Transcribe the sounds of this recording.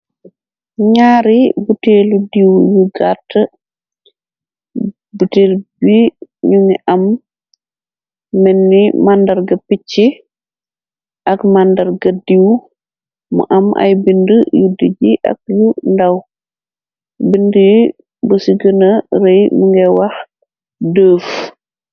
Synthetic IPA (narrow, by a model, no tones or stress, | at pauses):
ɲaːɾibuteːludiwjuɡatːə | buteːlbiɲuŋiʔɐm | mɛnːimandɐɾɡɐpit͡ʃːi | ʔɐkmandɐɾɡɐdiw | mṵʔɐmʔa̰jbindəjudiɟiʔɐ̰k̚jundaw | bində | bəsiɡənəɾejməŋɡɛwɐx | dəːf